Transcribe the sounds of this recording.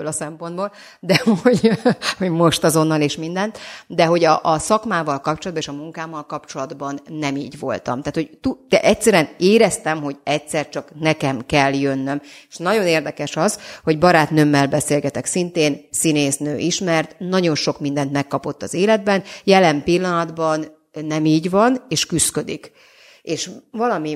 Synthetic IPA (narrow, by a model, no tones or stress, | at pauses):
ølɒsɛmpond̪boːl | d̪ɛoɟho̞ɟmo̞ʃt̪ɒzo̞nːɒleːʃmind̪ɛnt̪d̪ɛɦo̞ɟɒʔsɒkmaːvɒlkɒp̚t͡ʃolɒd̪bɒneːʃɒmuŋkaːmːɒlkɒp̚t͡ʃo̞lɒd̪bɒnːɛmḭːɟʋo̞̰lt̪ɒ̰mt̪aːt̪hoɟt̪ut̪ɛʔɛct̪sɛɾyɛneːɾɛst̪ɛmɦo̞ɟɛcsɛrt͡ʃɒknɛkɛmkɛlːjønːø̞meʃnɒɟo̞neːrd̪ɛkɛʃɒzho̞ɟbɒɾaːt̪nømːɛlbɛseːlɡɛt̪ɛksint̪eːnsineːsnø̰ːʔiʃmɛrt̪nɒɟo̞nʃo̞kmind̪ɛnt̪mɛkːɒpo̞t̪ːɒzeːlɛd̪̚bɛnjɛlɛmpilːɒnɒd̪bɒnː | ɛmiːɟʋɒneːʃkyskø̞d̪ik | eːʃvɒlɒmi